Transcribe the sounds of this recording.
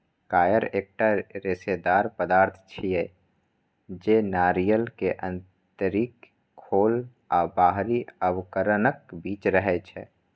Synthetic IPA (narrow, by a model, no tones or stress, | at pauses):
kaːjəɾeːk̚ʈaɾɪsed̪aːɾpəd̪aːɾt̪ʰt͡ʃʰiɛ | d͡ʒenaːɾijəlkeʔə̃n | t̪əɾiːkʰː | oːl | aːbaːɦɾiəwkəɾənəkbiːt͡ʃɾəɦɛt͡ʃʰɛ̰ː